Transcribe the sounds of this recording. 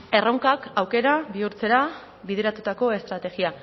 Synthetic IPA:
e̞roŋkakawke̞ɾaβiuɾt͡se̞ɾa | βiðe̞ɾat̪ut̪ako̞e̞st̪ɾat̪e̞ɣia

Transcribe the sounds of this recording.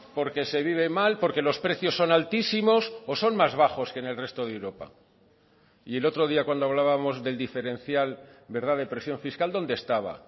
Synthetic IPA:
po̞ɾke̞se̞β̞iβ̞e̞malpo̞ɾke̞lo̞spɾe̞θjo̞sːo̞nalt̪isimo̞soso̞nmazβaχo̞ske̞ne̞lre̞st̪o̞ðewɾo̞pa̰ | ie̞lo̞t̪ɾo̞ðiakwand̪oaβ̞laβamo̞zðe̞ld̪ife̞ɾe̞nθjalbe̞ɾðaðe̞pɾe̞sjoɱfiskald̪o̞nd̪est̪aβ̞a̰

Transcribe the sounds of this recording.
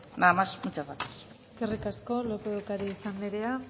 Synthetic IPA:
namasmut͡ʃaat̪e̥s | eskerikasko̞lokookaɾiːsambeɾe̞a

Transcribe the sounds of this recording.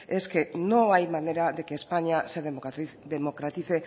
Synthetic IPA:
e̞ske̞no̞ajmaneɾaðekespaɲiaseɾðed̪emokɾat̪ise

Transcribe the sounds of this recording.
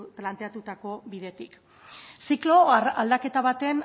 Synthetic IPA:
plant̪e̞at̪ut̪ako̞biðe̞t̪ik | siklo̞ald̪ake̞t̪aβat̪e̞n

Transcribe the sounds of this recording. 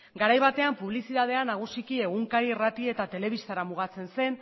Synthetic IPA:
ɡaɾajβat̪e̞ampuβlisit̪að̞e̞anaɣ̞usikie̞ɣuŋkaɾirat̪ie̞t̪at̪e̞le̞β̞ist̪aɾamuɣ̞at͡se̞nse̞n

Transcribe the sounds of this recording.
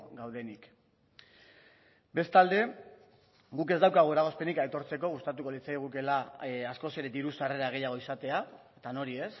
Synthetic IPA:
ɡawðe̞nik | be̞st̪ald̪e̞ | ɡuke̞zd̪awkaɣ̞ue̞ɾaɣ̞o̞spe̞nikajt̪o̞ɾt͡se̞ko̞ɣ̞ust̪at̪uko̞lit͡saiɣ̞uke̞laasko̞se̞ɾe̞d̪iɾusare̞ɾaɣ̞e̞jaɣ̞o̞isat̪e̞aet̪ano̞ɾies

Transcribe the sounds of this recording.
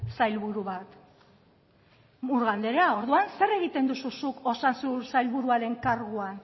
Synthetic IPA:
sajlβuɾuβat̪ | muɾɣand̪eɾeao̞ɾðuanse̞re̞ɣit̪e̞nd̪ususuko̞sansusajlβuɾuaɾe̞ŋkaɾɣuan

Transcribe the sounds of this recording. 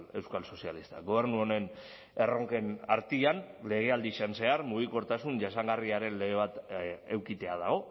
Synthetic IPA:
e̞wskalso̞sialist̪a̰ɣo̞β̞e̞ɾnuo̞ne̞n | e̞ro̞ŋke̞naɾt̪ianle̞ɣ̞e̞ald̪iʃanse̞aɾmuɣ̞iko̞ɾt̪asunʝasaŋɡariaɾe̞nle̞ɣeβ̞at̪ewkit̪e̞aðaɣ̞o̞

